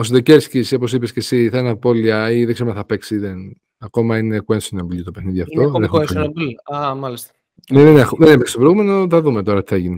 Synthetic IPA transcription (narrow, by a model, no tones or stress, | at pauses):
osd̪eceɾsciso̞posipescesiθɐenɐpo̞liɐiðeɡseɾomɐθɐpeksiðen | ɐko̞mɐine̞kuensinɐmblit̪opexniðiɐft̪oðenexnɐblɐmɐlist̪ɐ̥ | neðenexuðenepekst̪opɾeɣume̞noθɐðumet̪o̞ɾɐt̪i̥θeʝine